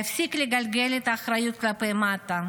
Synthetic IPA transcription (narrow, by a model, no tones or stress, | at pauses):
ifsikleɡalɡelet̪aːχɾajut̪̚klapejmat̪a